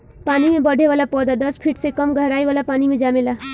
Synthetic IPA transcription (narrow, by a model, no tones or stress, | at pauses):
panimebʌɖʱeʋalapɔd̪ad̪ʌspʰiʈsekʌmɡʱʌɾajʋalapanimed͡ʒamela